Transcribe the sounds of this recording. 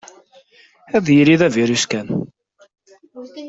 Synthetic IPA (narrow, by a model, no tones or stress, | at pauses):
æðjiɾiðæviɾuskæn